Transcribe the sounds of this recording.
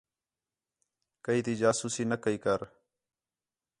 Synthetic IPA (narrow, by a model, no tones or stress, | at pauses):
kəiːt̪iːd͡ʒaːsuːsiːnəkəiːkəɾ